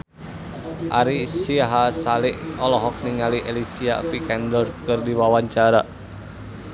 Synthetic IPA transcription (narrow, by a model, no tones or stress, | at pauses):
ʔaɾisiaɦasalɪʔɔlɔɦɔk̚niŋaliʔelisia̰pikɛndɔrkərdiwawaɲt͡ʃaɾa